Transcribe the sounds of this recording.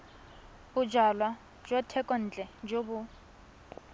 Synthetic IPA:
bʊd͡ʒalwa | d͡ʒɔtʰɛkʼɔn̩ːt͡ɬʼɛd͡ʒobʊ

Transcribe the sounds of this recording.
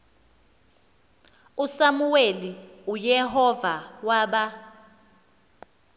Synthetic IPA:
usamuweliujɛɦɔvawaɓa

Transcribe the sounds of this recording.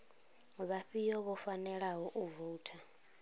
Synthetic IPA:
βaɸijɔβɔfanɛɺaɦɔʔuvoːtʰa

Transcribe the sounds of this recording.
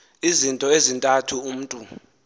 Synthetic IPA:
izintʼɔezintʼatʰuum̩ːtʼu

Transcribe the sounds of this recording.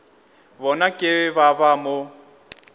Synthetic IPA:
bɔnakʼɪβabamo

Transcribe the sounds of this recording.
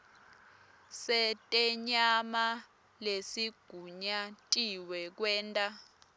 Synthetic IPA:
sɛtʼɛɲama | lesiɡ̥ʱuɲatʼiwɛk̬wɛːntʼa

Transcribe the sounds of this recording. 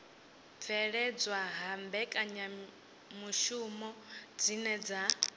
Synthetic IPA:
fʰɛɺɛd͡zwaɦambɛkʼaɲa | muʃumɔd͡zinɛd͡za

